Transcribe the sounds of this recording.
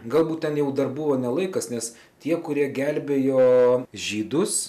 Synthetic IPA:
ɡɐlˠbuːt̪̚t̪ʲɛnjɛʊd̪ɐrbʊʋoːnʲɛlˠɐɪkɐsnʲɛs | t̪ʲiɛkʊɾʲiɛɡʲælʲbʲeːjoːʒʲiːd̪ʊs

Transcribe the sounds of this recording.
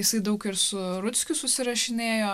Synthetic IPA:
jɪsɐɪd̪ɐʊkɪɾsʊɾʊtsʲkʲʊsʊsʲɪɾɐʃʲɪnʲeːjoː

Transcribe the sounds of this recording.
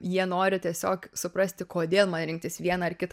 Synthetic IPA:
jiɛnoːɾʲɪt̪ʲiɛsʲoːksʊpɾɐsʲt̪ʲɪkoːd̪ʲeːlˠmɐnɾʲɪŋk̚t̪ʲɪsʋʲiɛnɑɐrkʲɪt̪

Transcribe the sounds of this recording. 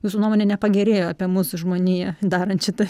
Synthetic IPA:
juːsʊnuɔmoːnʲɛnʲɛpɐɡʲɛɾʲeːjoːɑpʲiɛmuːsʊʒmoːnʲijɛd̪ɑːɾɐnt̪ʃʲɪt̪ɐ

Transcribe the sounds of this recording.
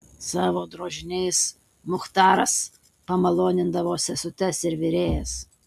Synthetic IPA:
sɑːʋoːd̪ɾoːʒʲɪnʲɛɪs | mʊxt̪ɑːɾɐs | pɐmɐlˠoːnʲɪnd̪ɐʋoːsʲɛsʊt̪ʲɛsɪɾʋʲɪɾʲeːjɛs

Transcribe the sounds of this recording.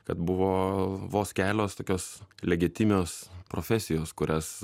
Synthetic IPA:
kɐt̪bʊʋoːʋoːsʲkʲæːlʲoːst̪oːkʲoːslʲɛɡʲɪt̪ʲɪmʲoːspɾoːfʲɛsʲɪjoːskʊɾʲɛs

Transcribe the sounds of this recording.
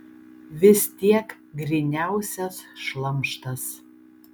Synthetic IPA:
ʋʲɪst̪ʲiɛk | ɡɾʲɪnʲæˑʊsʲɛsʃlˠɐmˑʃt̪ɐs

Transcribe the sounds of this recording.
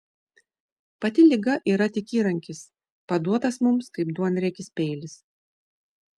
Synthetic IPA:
pɐt̪ʲɪlʲɪɡɐʔiːɾɐt̪ʲɪkʲiːɾɐŋʲkʲɪs | pɐd̪uɔt̪ɐsmʊmskɐɪp̚d̪uɔnɾʲɛkʲɪsʲpʲɛɪlʲɪs

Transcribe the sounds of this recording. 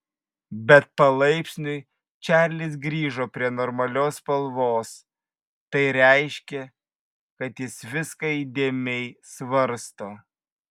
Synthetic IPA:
bʲɛt̪̚pɐlˠɐɪpʲsʲnʲʊɪ | t͡ʃʲæːɾʲlʲɪs̬ɡɾʲiːʒoːpʲɾʲiɛnɔːɾmɐlʲoːspɐlˠʋoːs | t̪ɐɪɾʲɛɪʃʲkʲɛ | kɐt̪jɪsʋʲɪskɐd̪ʲeːmʲɛɪsʋɐɾst̪oː

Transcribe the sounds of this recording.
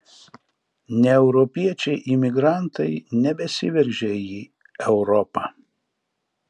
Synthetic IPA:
nʲɛɛʊɾɔpʲiɛt͡ʃʲɛɪʔɪmʲɪɡɾɑˑnt̪ɐɪnʲɛbʲɛsʲɪʋʲɛɾʲʒʲɛjiː | ɛʊɾɔpɑ̰

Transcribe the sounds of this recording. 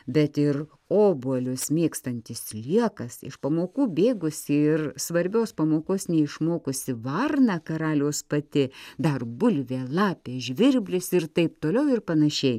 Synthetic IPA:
bʲɛt̪ɪr | oːbuɔlʲʊsmʲeːkst̪ɐnʲt̪ʲɪslʲiɛkɐsɪ̰ʃpɐmoːkuːbʲeːɡʊsʲɪɪrsʋɐɾʲbʲoːspɐmoːkoːsnʲɛɪʃmoːkʊsʲɪʋɐrnɐkɐɾɑːlʲoːspɐt̪ʲɪd̪ɐrbʊlʲʋʲeːlˠɑːpʲeːʒʲʋʲɪɾʲbʲlʲʊsɪrt̪ɐɪpt̪oːlʲɛʊɪrpɐnɐʃʲɛɪ

